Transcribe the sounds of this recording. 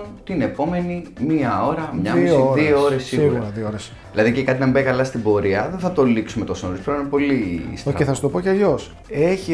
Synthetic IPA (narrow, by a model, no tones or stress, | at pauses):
t̪ine̞po̞me̞nimiɐo̞ɾɐmɲɐmiioðioo̞ɾesːiuɾɣuɐɾɐððiooɾes | ðilɐðicekɐt̪inɐmbɐjkɐlɐst̪ibo̞ɾiɐðenθɐt̪o̞liksumet̪osnoɾispɾonpo̞list̪ɐeθɐsu̥t̪o̞po̞ceɐʎo̞s | e̞çi